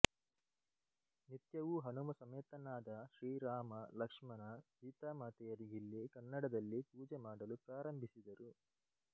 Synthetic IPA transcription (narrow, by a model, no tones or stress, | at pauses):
nit̪jɐʋuɦɐnumɐsɐmeːt̪ɐnaːd̪ɐʃɾiːɾaːmɐlɐkʂmɐnɐɡiːt̪aːmaːt̪ɛjɐɾiɡilːikɐnːɐɽɐd̪ɐlːipuːd͡ʒemaːɽɐlupɾaːɾɐmbʱisid̪ɐɾu